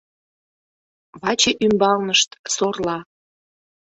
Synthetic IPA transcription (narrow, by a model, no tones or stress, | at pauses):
βɑt͡ɕeʔymbɑlnəʃt̪sorlɑ